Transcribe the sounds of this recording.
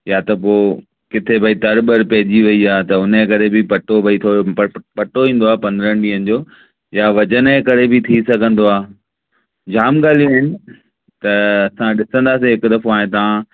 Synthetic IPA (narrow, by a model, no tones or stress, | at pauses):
jat̪ɐpoː | kɪt̪ʰebʱaːit̪ɐɾbəɾpɐɦɪd͡ʑiʋɐiaːt̪ɐʊnẽkɐɾebʱɪpɐʈobʱɐit̪ʰopɐʈoʋĩːn̆d̪oaːpɐ̃nd̪ɾə̃nɗiːənɪ̆d͡ʑoː | jaʋɐd͡ʑənẽkɐɾebʱɪt̪ʰisɐɡʱə̃nd̪oaː | d͡ʑaːmɡaːl̤ijoɦɪnɪ̆ | t̪ɐɐsãɗɪsə̃nd̪aːsẽɦɪkʊd̪ɐfoaːɦẽt̪ɐʋã